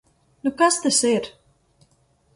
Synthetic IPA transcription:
nukast̪asiɾ

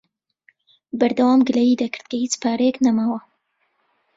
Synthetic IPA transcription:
bɐɾd̪ɐwaːmɡɨlɐjid̪ɐkɨ̥ɾd̪kʰɐhiːt͡ʃpʰaːɾejeknɐmaːwɐ

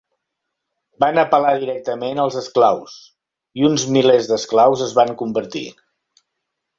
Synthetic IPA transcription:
banəpəlaðiɾɛk̚t̪əmenəlˠzəsklaws | iunzmilezðəsklawzəzβaŋkumbəɾt̪ḭ

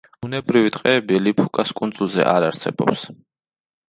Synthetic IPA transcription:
b̥unɛbɾivit̪ʼqʼɛːbilipʰukʼaskʼunzulˠzɛ̰ʔaɾaɾsɛ̰bɔ̰ps

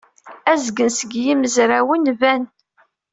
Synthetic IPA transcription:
æzɡənsəɡjiməzɾæwənvæn

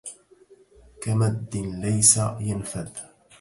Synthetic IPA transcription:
kamad̪ːɪnlajsajanfad̪

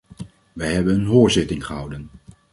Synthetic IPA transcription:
ʋəjɦɛbənənɦoːɹzɪtɪŋχəɦɑwdən

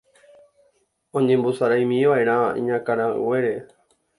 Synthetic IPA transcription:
õɲẽmbosaɾajmĩʋaʔeɾãḭ̃ɲãkaɾ̃ãɨ̰weɾe

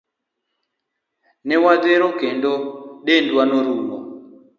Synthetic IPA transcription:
nɪwaðeɾokendoɗendwanoɾumɔ

